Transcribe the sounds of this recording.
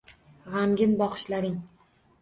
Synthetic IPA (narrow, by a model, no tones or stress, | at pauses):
ʁamɡʲɪnbɒqɨ̥ʃlaɾɪŋ